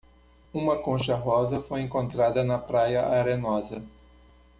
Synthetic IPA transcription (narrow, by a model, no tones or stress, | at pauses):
ũmɐkõʃɐɦɔzɐfojẽŋkõnt̪ɾad̪ɐnɐpɾajɐʔaɾenɔzɐ